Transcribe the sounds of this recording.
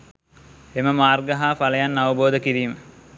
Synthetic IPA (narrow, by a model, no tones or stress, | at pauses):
eməmaːrɡəɦaːfaləjanːaʋəboːd̪əkiɾiːmə